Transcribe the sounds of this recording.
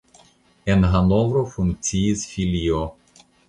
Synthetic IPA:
enɦanovɾofuŋk̚t̪siisfʲilʲio

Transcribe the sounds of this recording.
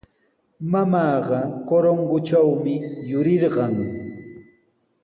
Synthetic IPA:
mamɑːɢɑkoɾoŋɢʊt͡ʃawmɪjʊɾɪɾɢɑŋ

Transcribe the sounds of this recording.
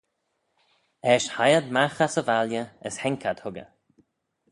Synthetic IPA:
ɛʃhajəd̪maxasəvaljəəshɛŋkʰad̪̥hʊɡə̰

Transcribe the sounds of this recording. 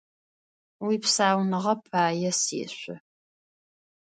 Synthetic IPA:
wipsaːwnɨʁɐpʰaːjɛsḛːɕʷʊ

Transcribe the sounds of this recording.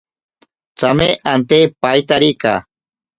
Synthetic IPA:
t͡sameʔant̪epajt̪aɾika̰

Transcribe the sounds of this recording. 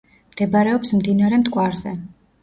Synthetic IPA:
md̪̥ɛbaɾɛɔpsmd̪inaɾɛmt̪ʼkʼwaɾzɛ

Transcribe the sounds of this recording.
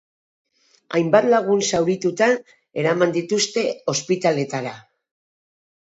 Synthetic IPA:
ajmbat̪laɣ̞unsawɾit̪ut̪a | e̞ɾamand̪it̪ust̪e̞o̞spit̪ale̞t̪aɾa

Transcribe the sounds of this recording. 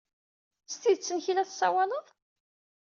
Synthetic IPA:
st̪iðt͡sːənçilæθsːɑwɑləðˤ

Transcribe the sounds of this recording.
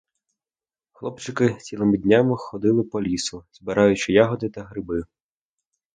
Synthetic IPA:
xlˠɔpt͡ʃɪkɪt͡sʲilˠɪmɪd̪ʲnʲamɪxɔd̪ɪlˠɪpɔlʲisʊz̥bɪɾʔɑjʊt͡ʃɪjɑɦɔd̪ɪt̪ɐɦɾɪbɪ

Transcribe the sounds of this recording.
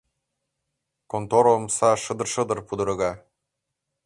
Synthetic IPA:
kont̪oɾomsɑʃɤ̆d̪ɤ̆rʃɤ̆d̪ɤ̆rpud̪ɤ̆ɾɤ̆ɣɑ

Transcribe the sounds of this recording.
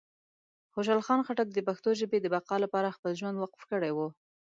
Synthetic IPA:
xoʃ̬alxɑnxaʈak̚d̪əpaxt̪oʒəbed̪əbaqɑlapɑɾaxpəlʒwand̪waqfkəɽajwu

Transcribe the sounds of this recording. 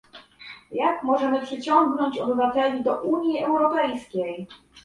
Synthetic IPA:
jakmɔʐɛmɘpʂɘt͡ɕɔŋɡnɔɲt͡ɕɔbɘvat̪ɛlʲid̪ɔʔuɲjiɛwɾɔpɛjskʲej

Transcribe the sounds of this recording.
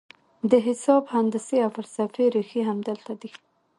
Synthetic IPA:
d̪əɦɪsɑbhand̪əseawfalsafeɾexiɦamd̪əlt̪ad̪i

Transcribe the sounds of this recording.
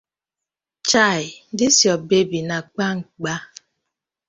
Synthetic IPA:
t͡ʃaɪdɪsjɔbebinak͡paŋ̩k͡pa

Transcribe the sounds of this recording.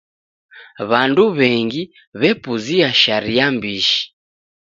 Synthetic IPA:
βanduβɛŋɡi | βɛpuziaʃaɾijambiʃi̥

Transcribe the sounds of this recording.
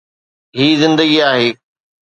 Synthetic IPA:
ɦiːzɪ̃nd̪əɡiaːɦeː

